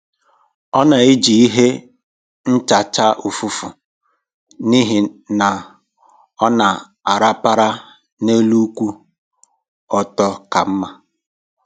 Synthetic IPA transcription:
ɔ˦na˨i˦d͡ʒi˨i˦ɦe˦ | n̩˦t͡ʃa˨t͡ʃa˦u˨fu˦fu˨ | ni˦ɦi˨na˨ | ɔ˦na˨ | a˨ɾa˦pa˦ɾa˦ | ne˦lu˦kʷu˦ | ɔ˨tɔ˦ka˨m̩˦ma˦

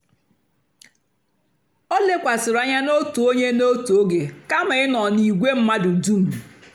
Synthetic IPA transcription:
ɔ˦le˦kʷa˨sɪ˨ɾa˦ɲa˦no˦tu˨o˦ɲe˦no˦tu˨o˦ɡe˨ka˦ma˨ɪ˦nɔ˨ni˨ɡʷe˦m̩˦ma˦dʊ˨du˦m̩˨

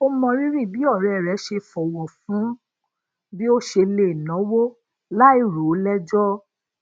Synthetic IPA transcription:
o˧mɔ̃˧ɾi˦ɾĩ˦˨bi˨˦ɔ˦˨ɾɛ˨ɾɛ˨˦ʃe˧fɔ˨wɔ˨fũ˨˦ | bi˦o˦ʃe˧le˨nɔ̃˨˦wo˦ | la˦i˦˨ɾu˨˦lɛ˦d͡ʒɔ˦

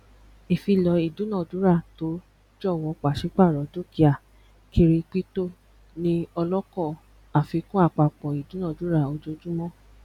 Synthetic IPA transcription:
e˨fi˧lɔ˨˧i˨dũ˨˦nã˦˨d͡ʒu˨˦ɾa˦˨to˨˦ | d͡ʒɔ˦˨w̃ɔ̃˨˧˦k͡pa˨ʃi˨˦k͡pa˦˨ɾɔ˨˦d͡ʒo˦ki˧˦a˨ | ki˧ɾi˧k͡pi˦to˦˨ | nĩ˧ɔ˧lɔ˦kɔ˦˨ | a˨fi˧kũ˦a˦˨k͡pa˨k͡pɔ̃˨i˨dũ˨˦nã˦˨d͡ʒu˨˦ɾa˦˨o˧d͡ʒo˧d͡ʒũ˦mɔ̃˦

